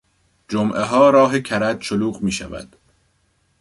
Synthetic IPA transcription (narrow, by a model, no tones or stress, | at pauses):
d͡ʒomʔeɦɒːɾɒːɦecʰæɾæd̪ʃoluːɣmiːʃæ̰væ̰d̪̥